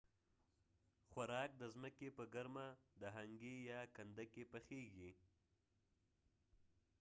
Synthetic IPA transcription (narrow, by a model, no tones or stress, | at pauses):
xwaɾɑk̚d̪əzməkepəɡaɾmad̪əɦaŋɡejɑkand̪akepəxeɡi